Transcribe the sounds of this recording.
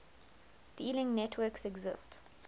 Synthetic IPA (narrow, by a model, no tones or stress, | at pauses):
d̥iːlɪ̃ŋnɛtʰwɜksɛɡzɪst